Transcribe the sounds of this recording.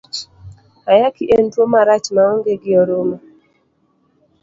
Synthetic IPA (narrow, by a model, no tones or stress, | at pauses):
ajakiʔentwomaɾat͡ʃmaɔŋɡeɡɪɔɾoma